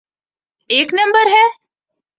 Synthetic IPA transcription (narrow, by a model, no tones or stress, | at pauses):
eknəmbəɾɦɛ